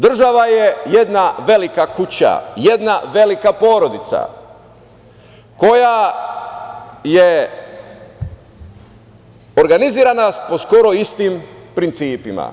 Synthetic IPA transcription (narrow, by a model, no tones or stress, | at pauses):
d̪r̩ʒaʋajejed̪naʋe̞likakut͡ɕa̰je̞d̪naʋe̞likapo̞ːɾo̞d̪it̪sa̰ | ko̞ja | je | o̞ɾɡaniziːɾanapo̞sko̞ɾoist̪impɾint̪siːpima̰